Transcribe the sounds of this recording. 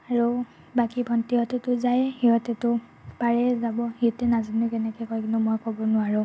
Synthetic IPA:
aɹu | bakibʱɔntiɦɔtɛtʊzajhiɦɔtɛtʊ | paɹɛzabɔhiɔtɛnazinukɛnɛkɔjkɔjkinʊmojkɔbɔnʊaɹʊ

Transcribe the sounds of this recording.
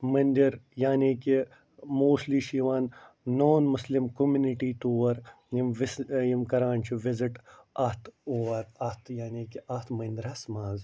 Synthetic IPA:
mɐnd̪iɾjaːniːki | moːsliːʃiːʋaːnː | oːnmuslimkomuniʈiːt̪uːʋɐɾ | jimʋisjimkɐɾaːnt͡ʃʰiʋizɪʈɐht̪ʰoɐɾɐht̪ʰjaːniːkiɐt̪ʰmɐnd̪ɾɐsmaːz

